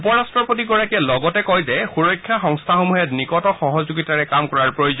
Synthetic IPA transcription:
upɔɹastɹɔpotiɡɔɹakɛlɔɡɔtɛkɔjzɛxuɹɔjkʰːjaxɔŋstʰaxomuɦɛtnikɔtɔxɔɦɔzuɡitaɹɛkamkɔɹaɹpɹojozɔ

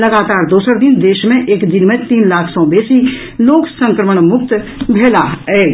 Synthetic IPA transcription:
lɐɡaːt̪aːɾd̪oːsəɾd̪ɪnd̪eːʃmẽʔeːkd̪ɪnmẽt̪iːnlaːkʰsɔ̃ːbeːsi | loːksə̃ŋkɾəməɽ̃mʊk̚t̪bʱeːlaɛː

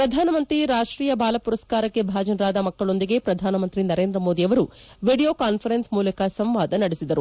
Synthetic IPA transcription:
pɾɐd̪ʱaːnɐmɐnt̪ɾiɾaːʂʈɾiːjɐbaːlɐpuɾɐskaːɾɐkːe̞bʱaːd͡ʒɐnɾaːd̪ɐmɐkːɐɭo̞nd̪iɡe̞pɾɐd̪ʱaːnɐmɐnt̪ɾinɐɾe̞ːnd̪ɾɐmoːd̪iɐʋɐɾu | ʋiːɖijo̞ːkaːnpʰɐɾensmuːlɐkɐsɐmʋaːd̪ɐnɐɽesid̪ɐɾu

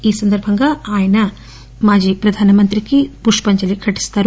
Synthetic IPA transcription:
iːsɐnd̪ɐɾbʱɐŋɡɐaːjɐnɐ | maːd͡ʒipɾɐd̪ʱaːnɐmɐnt̪ɾikipuʂpɐɲt͡ʃɐlikʰɐʈi̥st̪aːɾu

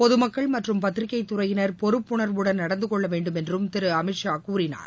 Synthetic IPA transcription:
pɔðɯmɐkːɐɭmɐʈrɯmpɐt̪ːɪɾɪkːɐɪt̪ːʊɾɐjɪnɐɾpɔɾɯpːʊɳɐɾʋɯɽɐnnɐɽɐnd̪ɯkɔɭːɐʋeːɳɖɯmɛndrɯmt̪ɪɾɯɐmɪʈʂaːkuːɾɪna̰ːɾ

